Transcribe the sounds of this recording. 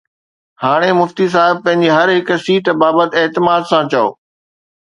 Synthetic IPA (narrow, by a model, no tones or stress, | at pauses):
haːɽ̃emʊft̪is̬aːɦɪb̚pɐ̃ɦɪ̃ɲ̆d͡ʑiɦɐɾɦɪksiːʈbaːbət̪eːt̪ɪmaːd̪sãt͡ɕɐo̰ː